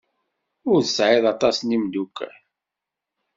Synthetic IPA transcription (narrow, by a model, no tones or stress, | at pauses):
ʊɾðəsʕɪðˤɑt̪ˤɑsnimd̪ukːæ̰